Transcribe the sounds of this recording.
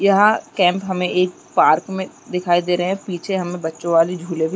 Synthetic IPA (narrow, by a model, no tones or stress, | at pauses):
jɐɦãkɛ̃ːmpɦɐmẽʔeːk̚paːɾkmẽ | d̪ɪkʰaːid̪eːɾɐɦɛ̃piːt͡ʃʰeɦɐmẽbɐtːʃõʋaːlid͡ʒʱuːlebʱi